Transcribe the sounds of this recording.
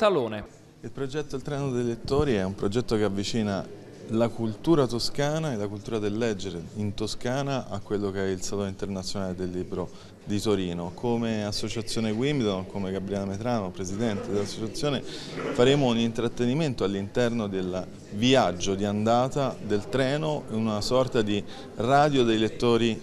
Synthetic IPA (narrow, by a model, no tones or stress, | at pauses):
t̪aloːne | ilpɾod͡ʒɛt̪ːod̪elt̪ɾɛːnod̪elet̪ːoːɾiɛumpɾod͡ʒɛt̪ːokeavːit͡ʃiːna | lakult̪uːɾat̪oskaːnaelːakult̪uːɾad̪elːɛd͡ʒːeɾeint̪oskaːnaʔakːwelːokeɛilsalonint̪ernat̪sːjonaːled̪elːiːbɾo | d̪it̪oɾiːnokʰomeasːot͡ʃat̪sjoːneɡwimd̪onkomeɡabɾiaːnamet̪ɾaːnopɾezid̪ɛnt̪ed̪elːasːot͡ʃat̪sːjoːnefaɾeːmounint̪ɾat̪ːeniment̪oalːint̪ɛrnod̪el | viad͡ʒːod̪iand̪aːt̪ad̪elt̪ɾɛːnoeunasɔrt̪ad̪i | raːd̪jod̪ejlet̪ːoːɾi